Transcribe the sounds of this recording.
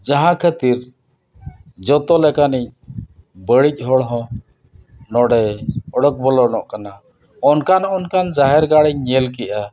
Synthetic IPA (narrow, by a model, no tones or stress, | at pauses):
d͡ʒaɦãkʰət̪iɾ | d͡ʒɔt̪ɔlɛkaniɲ̚ | bəɽic̚ˀɦɔɽɦɔ̃ | nɔɽɛɔɽɔk̚bɔlɔnɔʔkana | ɔnkanɔnkand͡ʒaɦɛɾɡaɽɛɲɲɛlkɛʔa